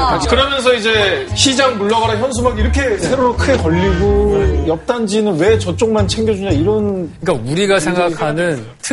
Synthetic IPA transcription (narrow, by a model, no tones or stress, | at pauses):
akɯɾʌmjʌns̬ʰʌid͡ʑe̞ɕʰid͡ʑaŋmuɭːaɡaɾaçjʌns̬ʰumaɡiɾʌkʰe̞sʰe̞ɾoɾokʰɯɡe̞kʌʎːiɡojʌp̚t͈and͡ʑinɯnwe̞t͡ɕʌt͡ɕ͈oŋmant͡ɕʰe̞ŋɡjʌd͡ʑuɲaiɾʌnɯɯɲik͈auɾiɡasʰe̞ŋɡakkʰanɯntʰɯ